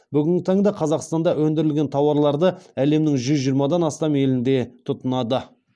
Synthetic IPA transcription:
bʏɡʲɪŋɡʲɪt̪ʰɑɴd̪ɑqʰɑzɑqst̪ɑnd̪ɑʔwɵnd̪ɪɾɪlʲɡʲe̞nt̪ʰɑwɑɾlˠɑɾd̪əæle̞mnɪŋʒʏzʒijəɾmɑd̪ɑnɑst̪ɑme̞lɪnd̪e̞t̪ʰʊt̪ənɑd̪ə

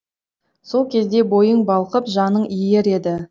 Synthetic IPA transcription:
so̞lˠkʲʰe̞zd̪e̞bo̞jəɴbɑlˠqəpʒɑnəɴije̞ɾe̞d̪ɪ

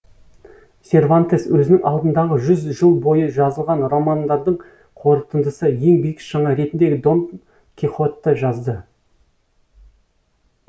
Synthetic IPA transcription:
sʲe̞rvant̪eswɵzɪnɪŋʔɑlˠd̪ənd̪ɑʁəʒʏzʒəlˠbo̞jəʒɑzəlˠʁɑnro̞mɑnd̪ɑɾd̪əɴ | qʰo̞ɾət̪ənd̪əsəje̞ŋbijɪkʒ̥ɑɴɑɾe̞t̪ɪnd̪e̞ɡʲɪd̪o̞n | kʲʰiχot̪ːəʒɑzd̪ə

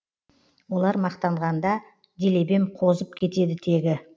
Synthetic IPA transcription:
wo̞lˠɑɾmɑqt̪ɑɴʁɑnd̪ɑ | d̪ele̞be̞mqʰo̞zəp̚kʲʰe̞t̪e̞d̪ɪt̪ʰe̞ɡʲɪ

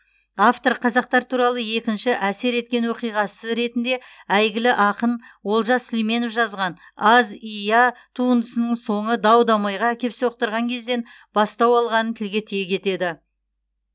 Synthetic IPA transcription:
ɑft̪o̞ɾqʰɑzɑq̚t̪ɑɾt̪ʰuɾɑlˠəje̞kʲɪnʃɪʔæse̞ɾe̞t̪̚kʲe̞nwoqijʁɑsəɾe̞t̪ɪnd̪e̞æjɡʲɪlɪʔɑqənwo̞lˠʒɑslijme̞nofʒɑzʁɑn | ɑzijɑt̪ʰuənd̪əsənəɴso̞ɴəd̪ɑwd̪ɑmɑjʁɑækʲe̞psewoq̚t̪əɾʁɑŋkʲʰe̞zd̪e̞n | b̥ɑst̪ɑwɑlˠʁɑnənt̪ʰɪlɡʲe̞t̪ʰijekʲʰe̞t̪e̞d̪ɪ

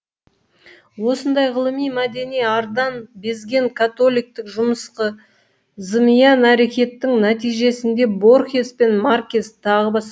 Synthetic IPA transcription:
wo̞sənd̪ɑjʁəlˠəmijmæd̪e̞nijɑɾd̪ɑnbe̞zɡʲe̞ŋkʰat̪o̞lʲˠijk̚t̪ɪkʒʊməsqə | zəmijɑnæɾe̞kʲe̞t̪ːɪŋnæt̪ijʒe̞sɪnd̪e̞bo̞rxʲespe̞nmarkʲest̪ʰːɑʁəbɑs

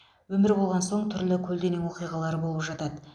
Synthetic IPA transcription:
wɵmɪɾbo̞lˠʁɑnso̞ɴt̪ʰʏɾlɪkʲʰɵld̪enɪŋwo̞qijʁɑlˠɑɾəbo̞lˠəpʒɑt̪ɑd̪ə

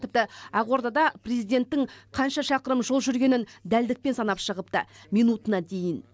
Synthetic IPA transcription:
t̪ɪp̚t̪ɪɑʁo̞ɾd̪ɑd̪ɑprezijd̪e̞nt̪ːɪɴqʰɑnʃɑʃɑqəɾəmʒolˠʒʏɾɡʲe̞nɪnd̪æld̪ɪk̚pe̞nsɑnɑpʃəʁəp̚t̪ə̰mijnut̪ənɑd̪e̞jɪn

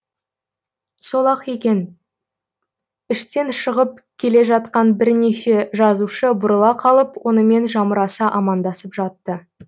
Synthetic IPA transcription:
so̞lˠɑqe̞kʲe̞n | ɪʃt̪e̞nʃəʁəp̚kʲʰe̞le̞ʒɑt̪̚qɑnbɪɾne̞ʃe̞ʒɑzuʃəbʊɾəlˠɑqʰɑlˠəpwo̞nəme̞nʒɑməɾɑsɑʔɑmɑnd̪ɑsəpʒɑt̪ːə

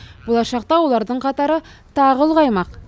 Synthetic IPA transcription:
b̥ulˠɑʃɑqt̪ɑwulˠɑɾd̪ɤɴqɑt̪ɑɾɤt̪ɑʁɤ̆lˠʁɑjmɑq

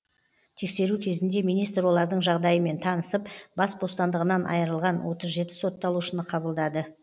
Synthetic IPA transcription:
t̪ʰekse̞ɾukʲʰe̞zɪnd̪e̞mijnijst̪ɾwo̞lˠɑɾd̪əɴʒɑʁd̪ɑjəme̞nt̪ʰɑnəsəpbɑsbo̞st̪ɑnd̪əʁənɑnʔɑ̰jəɾəlˠʁɑnwo̞t̪əzʒe̞t̪ɪ̥sot̪ːɑlˠuʃənəqʰɑbəlˠd̪ɑd̪ə

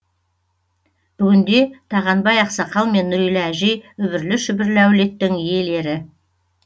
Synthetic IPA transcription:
b̥ʏɡʲɪnd̪e̞t̪ʰɑʁɑnbɑjɑqsɑqɑlˠme̞nːʏɾijlɪæʒe̞jʏbɪɾlɪʃʏbɪɾlɪæwle̞t̪ːɪŋije̞le̞ɾɪ

